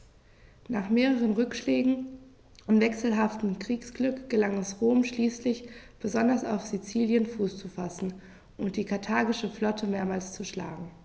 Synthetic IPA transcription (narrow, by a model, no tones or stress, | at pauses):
naːχmeːʁəʁ̞ənʁʏkʃlɛːɡŋ̩ | ʔʊntv̥ɛksl̩ɦaftm̩kʁ̥iːksɡ̥lʏkɡ̥əlaŋɛsʁoːmʃliːslɪçb̥əzɔndɐsa̰ʊfz̥it͡siːljənfuːst͡sufasn̩ | ʔʊnt̚d̥iːkʰaɐtʰaːɡɪʃəflɔtʰəmeːɐmaːlst͡suʃla̰ːɡŋ̩